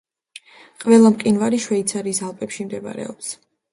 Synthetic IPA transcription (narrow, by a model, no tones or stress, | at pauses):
qʼvɛlˠamqʼinvaɾiʃwɛit̪sʰaɾiːsalˠpʼɛpʃimd̪ɛba̰ɾɛ̰ɔps